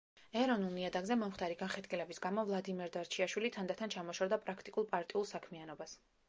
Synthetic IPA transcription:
ɛɾɔnulˠniad̪aɡzɛmɔmχt̪ʰaɾiɡanχɛd̪kʼilɛbisɡamɔvlˠad̪imɛɾd̪aɾt͡ʃʰiaʃwilit̪ʰand̪at̪ʰant͡ʃʰamɔʃɔvd̪apʼɾakʰt̪ʼikʼulˠpʼaɾt̪ʼiulˠsakʰmianɔbas

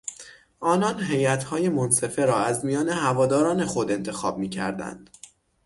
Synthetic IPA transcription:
ʔɒːnɒnɦe̞jæt̪hɒːje̞monse̞fe̞ɾɒːæzmijɒːne̞hævɒːd̪ɒːɾɒːne̞xo̞d̪e̞nt̪ʰe̞xɒ̰ːb̚miːcʰæ̰ɾd̪æ̰nd̪̥

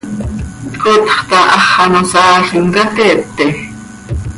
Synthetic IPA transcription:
t̪kot̪χt̪ɑʔɑχːɑnosɑːɬimkɑt̪ep̚t̪e

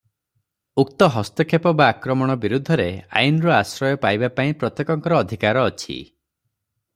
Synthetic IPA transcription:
uk̚t̪ɔɦɔst̪ɔkʰepɔbaːkɾɔmɔɽ̃ɔbiɾud̪ʱːɔɾea̰junɔɾɔasɾɔjɔpajbapaĩpɾɔt̪jekɔŋkɔɾɔːd̪ʱikaɾɔːt͡ʃʰḭ

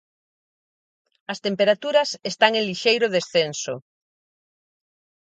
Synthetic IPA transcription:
ɐst̪empeɾat̪uɾɐsest̪aŋẽliʃejɾʊðesθenso̰

